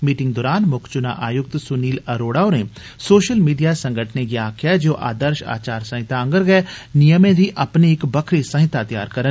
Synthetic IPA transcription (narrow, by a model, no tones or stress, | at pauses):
miːʈɪ̃ŋɡ̚d̪ɔːɾaːnmʊkʰt͡ʃʊna̰ʔaːjʊk̚t̪sʊniːlɐɾoːɽaːʊnẽ | soːʃəlmiːɖijasɐ̃ŋɡʱəʈʰnekiaːkʰjad͡ʒoːʔa̰ːd̪əɾʃa̰ːt͡ʃaːɾsɐ̃ɦɪt̪aə̃ŋɡəɾɡɛɛnijəmẽd̪ʱiʔɐpniɪkbɐkʰɾisə̃ɦɪt̪at̪ija̰ːɾkɐɾən